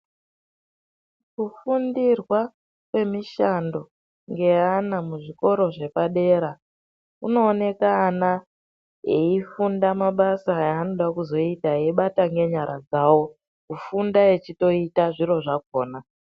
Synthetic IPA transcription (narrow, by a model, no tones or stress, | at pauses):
kufundirwa | kwe̞miʃando̞ | ŋɡe̞anamuʐiko̞ɾo̞ʐe̞paɗe̞ɾa | uno̞ːne̞kaːna | eifundamaɓasaaːno̞ɗakuzo̞itaeiɓataŋɡe̞ɲaɾʔa̰d͡zaːwo̞ | kufundae̞t͡ʃito̞itaʐiɾo̞ʐako̞ːna